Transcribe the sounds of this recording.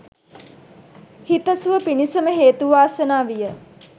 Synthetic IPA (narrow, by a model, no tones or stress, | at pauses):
hit̪əsuʋəpinisəməɦeːt̪uʋaːsənaːʋijə